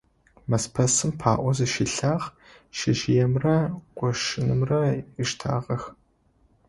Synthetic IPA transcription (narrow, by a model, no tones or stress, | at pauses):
mɐspʰɐsɨmpʰaːʔʷɔzɐʃiɬaːʁ | ʃɪʒjɛmrɐqʷɔʃɪnɨmrɐɪʂtʰa̰ːʁɐx